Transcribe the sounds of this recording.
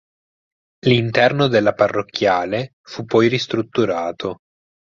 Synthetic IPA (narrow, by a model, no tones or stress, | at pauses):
lint̪ɛrnod̪elːaparːokːjaːle | fupːɔjrist̪ɾut̪ːuɾaːt̪ʰo